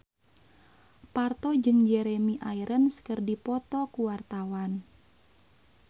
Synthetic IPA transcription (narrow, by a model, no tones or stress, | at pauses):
part̪ɔd͡ʒɨŋd͡ʒɛɾemiʔaiɾʔənsə̥kərdipɔt̪ɔkuwart̪awan